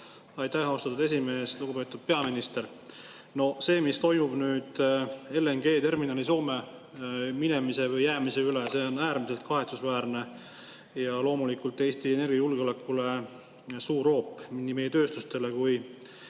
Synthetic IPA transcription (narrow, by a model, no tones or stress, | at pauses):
ɑjt̪æhɑwst̪ɑt̪ud̪e̞sime̞ːsluɡ̥upe̞ːt̪ːˑud̪̥̚pe̞ɑminist̪eɾ | no̞se̞ːmist̪o̞jmub̥nyːd̪̥e̞leŋɡe̞ːt̪e̞rminɑːliso̞ːme̞ | minemise̞vɯjːæːmise̞ylese̞ːo̞næːɾmise̞lt̪̚kɑɦe̞t̪susvæːɾne̞ | jɑlo̞ːmulikult̪ːˑe̞ːst̪iene̞rɡ̥jɑjulɡ̥eo̞le̞kʰːˑule̞ | suːɾo̞ːpːˑminːime̞jet̪ø̞ːst̪ust̪e̞le̞kuj